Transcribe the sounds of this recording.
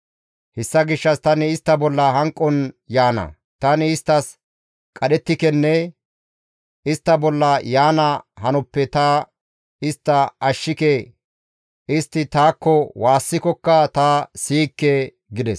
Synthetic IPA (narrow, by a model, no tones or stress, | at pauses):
hɛsːɐɡɪʃːɐst̪ɐnɪɪst̪ːɐbɔlːɐɦɐŋkʼːɔnjaːnɐ̰ | t̪ɐnɪɪst̪ːɐs | kʼɐɗɛt̪ːɪkɛnːɛ | ɪst̪ːɐbɔlːɐjaːnɐhɐnʊpːɛt̪ɐ | ɪst̪ːɐɐʃːɪkɛ | ɪst̪ːɪt̪aːkːɔwaːsːɪkɔkːɐt̪asiːkːɛ | ɡɪd̪ɛs